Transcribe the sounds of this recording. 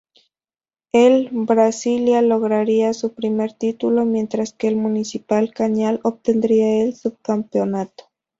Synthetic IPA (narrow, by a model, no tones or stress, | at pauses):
elbɾasiljalo̞ɣɾaɾiasupɾime̞ɾt̪it̪ulo̞mjẽ̞nt̪ɾaskeːlmunisipalkaɲaloβ̚t̪end̪ɾiaelsub̚kampeonat̪o̥